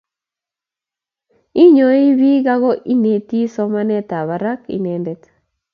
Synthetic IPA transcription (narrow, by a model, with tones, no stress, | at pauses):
i˦ɲo˨i˦bi˦ɡa˦ɣɔ˦ʔi˦ne˨t̪i˦sɔ˦ma˦nɛ˦t̪a˨βa˨ɾa˦kḭ˨nɛndɛ˨t̪